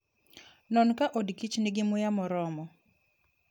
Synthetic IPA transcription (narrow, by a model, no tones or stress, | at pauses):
nɔnkaʔodkit͡ʃnɪɡɪmʊjamɔɾɔmɔ